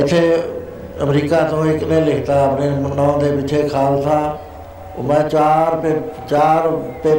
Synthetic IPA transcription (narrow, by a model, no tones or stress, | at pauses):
ɪt̪ʰːeː | əmɾiːkaːt̪õːɪknẽːlɪkʰt̪aːəpneːmənːãːd̪eːpɪt͡ʃʰeːkʰaːlt̪ʰãː | mɛ̃ːt͡ʃaːɾet͡ʃaːɾpeː